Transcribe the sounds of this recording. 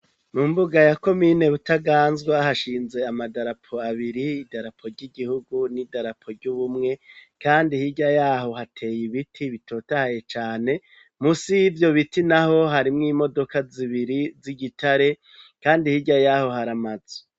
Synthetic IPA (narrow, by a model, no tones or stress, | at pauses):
mumbuɡajako̞mine̞βutaɡaːnzɡwahaʃiːnze̞amadaɾapʰo̞aβiɾiidaɾapʰo̞ɾɟiɡihuɡunidaɾapʰo̞ɾɟuβumŋe̞kaːndihiɟajaːɦo̞hatʰe̞ːjiβitʰiβitʰo̞ːtahaje̞t͡ʃaːne̞ | musivjo̞βitinaho̞ɦaɾimŋiːmo̞do̞kaziβiɾiziɡitʰaɾe̞ | kaːndihiɟajaho̞ɦaɾamaze̥